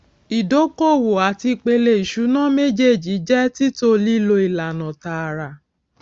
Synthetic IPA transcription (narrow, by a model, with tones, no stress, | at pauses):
i˨do˨˦ko˦˨wo˨a˨ti˧k͡pe˧le˦˨i˨ʃu˨˦nã˦me˦d͡ʒe˦˨d͡ʒi˨˦d͡ʒɛ˦ti˦to˧li˦lo˧i˨la˨nã˨ta˨ɾa˨